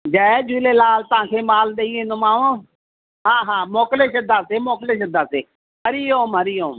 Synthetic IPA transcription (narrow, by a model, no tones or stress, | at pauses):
d͡ʒaed͡ʒuːleːlaːlt̪əãːkʰeːmaːlɗ̪eĩːnomaːʋõː | ɦãːɦãːmoːkleːʃəd̪ʱaːseːmoːkleːʃəd̪aːseː | ɦəɾiːoːmɦəɾiːoːm